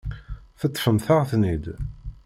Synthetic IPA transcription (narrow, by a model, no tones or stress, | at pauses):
θət̪ˤːfəmθəʁθnid̪